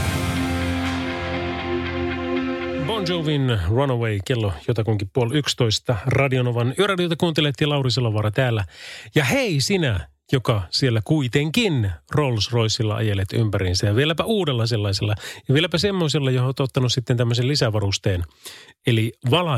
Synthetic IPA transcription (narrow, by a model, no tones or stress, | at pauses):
bond͡ʒoʋinrɑnoweikelːojot̪ɑkuŋkippuolykst̪o̞ist̪ɑrɑdionoʋɑnyørɑdiot̪ɑkuːnt̪elet̪ːiːlɑuris̬elːoʋɑɾɑt̪æːlːæjɑheisinæ | jokɑsielːækuit̪eŋkinrolsro̞isilːɑ̰ʔɑ̰jelːet̪y̰mpæɾinsæjɑʋielæpæʔuːdelːɑs̬elːɑiselːɑjɑʋielæpæsemːo̞is̬elːɑjohoːt̪ot̪ːɑnussit̪ːent̪æmːøselisæʋɑɾust̪eːneliʋɑlɑ